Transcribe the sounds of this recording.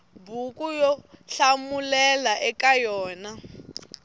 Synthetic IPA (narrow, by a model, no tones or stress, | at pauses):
bukʼujɔɬamulɛlaʔɛkʼajɔːna